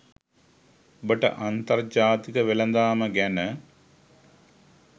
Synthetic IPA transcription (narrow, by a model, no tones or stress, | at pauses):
bəʈə̰ʔant̪ɐrd͡ʒaːt̪ikəʋelɐnd̪aːməɡænə